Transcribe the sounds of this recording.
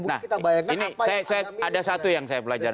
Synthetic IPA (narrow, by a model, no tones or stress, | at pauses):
nahbjinisajasajaadasat̪ujaŋsajapəlad͡ʒaɾ